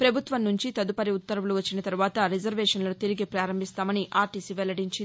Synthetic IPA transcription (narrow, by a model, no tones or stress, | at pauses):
pɾɐbʱut̪ʋɐnnuɲt͡ʃit̪ɐd̪upɐɾiut̪ːɐɾɐuluʋɐt͡ʃːinɐt̪ɐɾuʋaːt̪ɐɾid͡ʒɐɾʋeːʂɐnlɐnut̪iɾiɡipɾaːɾɐmbʱist̪aːmɐniʔaːɾʈisiʋɛlɐɽiɲt͡ʃi